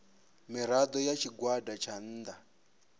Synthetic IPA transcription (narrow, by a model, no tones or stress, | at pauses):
miɾad̪ɔjat͡ʃʰiɡwadat͡ʃʰan̩ːd̪a